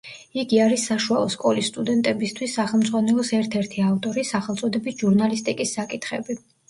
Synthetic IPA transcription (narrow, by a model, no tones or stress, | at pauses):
iɡiaɾisːaʃualˠɔskʼɔlisːt̪ʼud̪ɛnt̪ʼɛbist̪ʰwisːaχɛlˠmd̪zʼʁwanɛlˠɔsɛɾt̪ʰɛɾt̪ʰiaft̪ʼɔɾisaχɛlˠt̪sʼɔd̪ɛbisʒ̥uɾnalist̪ʼikʼisːakʼit̪ʰχɛ̰bi